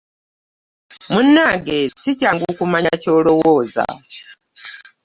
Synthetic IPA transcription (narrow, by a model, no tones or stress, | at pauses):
munːaɡesicaŋɡukumaɲacolowoːza̰